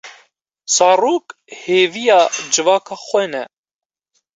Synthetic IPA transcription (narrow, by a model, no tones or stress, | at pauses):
sɑːɾuːk | heːvijɑːd͡ʒɨvɑːkʰɑːxʷɛnɛ